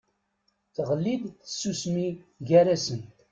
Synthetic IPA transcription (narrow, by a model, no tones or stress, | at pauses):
θəʁəlːiðθə̥sːusmiʝæɾæsənt̪